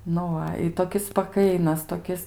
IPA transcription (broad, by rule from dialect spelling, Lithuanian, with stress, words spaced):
nʊ ˈʋɐ ɪ toːˈkʲɪs spɐˈkɐɪnɐs toːˈkʲɪs